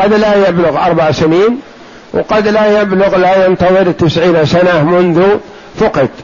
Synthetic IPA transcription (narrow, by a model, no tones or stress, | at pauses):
qɑd̪lajablʊɣʔɑɾˤbɑʕsɪniːn | wqɑd̪lajablʊɣlajɪnt̪ɑðˤɨɾt̪ɪsʕiːnsanamʊnðʊ | fʊqɑd̪